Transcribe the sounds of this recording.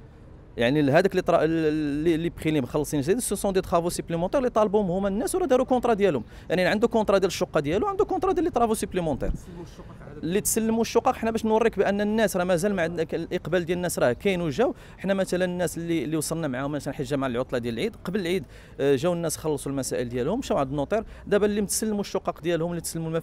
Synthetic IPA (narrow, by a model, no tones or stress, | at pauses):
jaʕniɦæd̪əklit̪ɾˤɑlːilːibxilibxɑlːsˤinʒd̪id̪səsõd̪it̪xɑfusəpləmɑ̃t̪ɛɾlit̪ˤɑlbuʊmhʊmænːæswɾˤɑd̪iɾukɔ̃t̪ˤɾˤɑd̪jælhʊm | jaʕniʕənd̪ukɔ̃t̪ˤɾˤɑd̪jæləʃːoqːɑd̪jæluʕənd̪ukɔ̃nt̪ˤɾˤɑd̪jælːit̪ˤɾˤɑfusəpləmɑt̪ˤɛ̰ɾˤ | lːit̪səlːəmuʃːoqɑqʔəħnæbæʃnwɑrˤːikbʔənːænːæsɾˤɑmæzælmʕd̪klʔəqbæld̪jælənːæsɾˤɑhkæjnuʒæw | əħnæmæt̪ælənənːæslːilːiwsˤəlnæmʕahʊmːæʃænħəʒːæmaʕlʕot̪ˤlɑd̪jæləlʕid̪qɑbələlʕid̪ | ʒæwənːæsxɑlːsˤulmæsæʔəld̪jælhʊmːʃæwʕəd̪ənːot̪ˤeɾd̪æbælːimt̪səlːmuʃːʊqːɑqd̪jælhʊmlːit̪səlːmumæ